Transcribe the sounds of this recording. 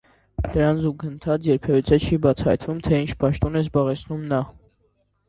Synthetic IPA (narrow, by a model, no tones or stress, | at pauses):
d̪̥əɾɑnzuɡənt̪ʰɑt͡sjɛɾpʰɛvit͡sʰɛt͡ʃʰibɑt͡sʰɑ̰jt̪vumt̪ʰɛint͡ʃʰpɑʃt̪ɔnɛzbɑʁɛt͡sʰnumnɑ